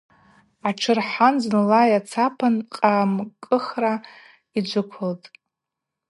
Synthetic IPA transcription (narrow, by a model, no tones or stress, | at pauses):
aʈ͡ʂʰɨrħanznɨlajat͡sʰapʰanqʼaːmkʼɨχra | id͡ʒʷʊkʷʰʊltʼ